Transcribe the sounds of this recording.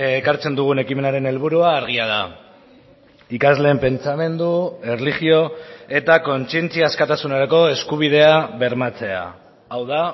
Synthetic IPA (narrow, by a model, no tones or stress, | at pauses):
ekaɾt͡se̞nd̪uɣ̞une̞kime̞naɾe̞ne̞lβuɾuaːɾɣ̞iað̞a | ikazle̞ːmpe̞nt͡same̞nd̪ue̞rlixio̞e̞t̪ako̞nt͡sie̞nt͡siaːskat̪asunaɾako̞e̞skuβ̞iðe̞aβe̞ɾmat͡se̞a̰ː | wða